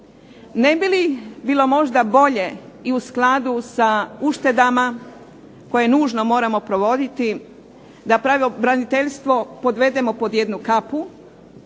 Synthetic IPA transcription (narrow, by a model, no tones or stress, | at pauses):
ne̞bilibiːlˠo̞mo̞ʒd̪abo̞ʎe̞iusklˠad̪usauʃt̪e̞d̪ama | ko̞je̞nuːʒno̞mo̞ːɾamo̞pɾo̞ʋo̞d̪it̪i | d̪apɾaʋobɾanit̪eʎst̪ʋo̞po̞d̪ʋe̞d̪e̞mo̞po̞d̪je̞d̪nukapu